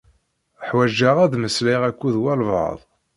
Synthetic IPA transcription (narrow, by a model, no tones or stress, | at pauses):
ħwæʒːaʁæðməsliʁækʷːuðwælvə̰ðˤ